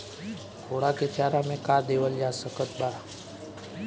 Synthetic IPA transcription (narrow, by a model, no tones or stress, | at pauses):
kʰoːɽaket̪ʰjaːɾãmẽkaːd̪eːʋəld͡ʒaːsəkət̪baː